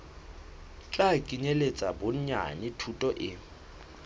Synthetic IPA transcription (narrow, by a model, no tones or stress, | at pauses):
t͡ɬʼakʼiɲelet͡sʼabʊɲ̩ɲa̰nɪtʰutʼɔʔɪ